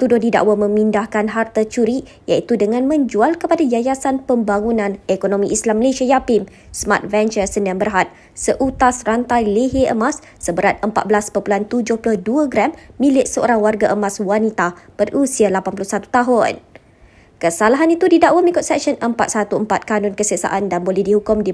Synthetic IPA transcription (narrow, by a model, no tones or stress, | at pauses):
t̪udʊhdida̰ʔwamə̃mĩndahkanɦart̪at͡ʃuɾi | jait̪udəŋãnmə̃ɲd͡ʒualkəpadad͡ʒajasanpəmbaŋunãnekonõmĩʔislamːəlesiajapɪm | sma̰t̪̚vɛnt͡ʃəsəniambərɦat̪̚ | səʔut̪asrant̪ajleɦeʔəmasːəbəɾat̪̚əmpa̰t̪̚bəlaspopulant̪ud͡ʒʊhplʊhduaɡɾɛmːĩlɪʔsəo̰ɾaŋwarɡaʔəmãswanit̪ab̥ərʔusialapanpulʊsat̪u̥t̪aɦʊn | kəsalaɦanit̪udidaʔwamikʊt̪̚sɛk̚ʃənəmpat̪̚sat̪uəmpat̪̚kanɔnkəsəsa̰ʔandanbolɛhdihukʊmdi